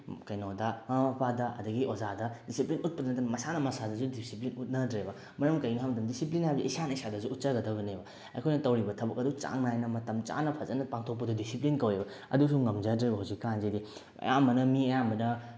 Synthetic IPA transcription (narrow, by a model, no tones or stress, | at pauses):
kɐjnodɐŋamɐpʰadɐʔɐ̰dɐɡiʔozadɐdisiplinut̚pɐdɐnɐtɐnɐmɐsanɐmɐsadɐsudisiplinut̚nɐdɾebɐ | mɐɾɐmkɐjnɦamɐdɐmdisiplinhajbɐzḭisanɐisadɐsuːt̚t͡ʃɐɡɐdɐβɐnebɐ | ɐ̰jkʰojnɐtɐwɾibɐtʰɐbɐkɐdut͡ʃa̰ŋnajnɐmɐtɐmt͡ʃa̰nɐpʰɐzɐnɐpaŋtʰok̚pɐdudisiplinkɐwebɐ | ɐ̰dusuŋɐmd͡ʒɐdɾebɐɦawzikːanzedi | ɐ̰jamɐnɐmiɐjambɐnɐ